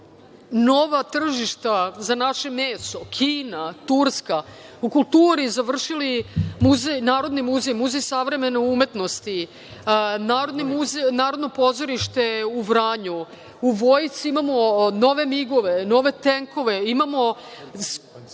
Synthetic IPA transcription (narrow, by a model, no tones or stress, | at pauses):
no̞ʋat̪r̩ʒiʃt̪azanaʃe̞meːso̞kʰiːnat̪uɾskaukulˠt̪uːɾizaʋr̩ʃilimuzenaːɾo̞d̪nimuzejmuzejsaʋɾe̞me̞neume̞t̪no̞st̪i | naːɾo̞d̪nemuzenaːɾo̞d̪no̞po̞zoɾiʃt̪e̞uʋɾaːɲu | uʋojt̪siimamo̞no̞ʋe̞miɡo̞ʋe̞no̞ʋe̞t̪eŋko̞ʋe̞imamo̞s